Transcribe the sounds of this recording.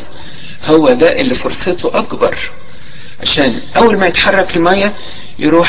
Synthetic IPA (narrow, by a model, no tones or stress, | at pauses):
howːæd̪æʔelːifoɾsˤet̪oʔɑkbɑ̰ɾˤ | ʕa̰ʃæːn | ʔæwːælmæjet̪ħɑrˤːɑkelmæjːæ | jeɾuːħ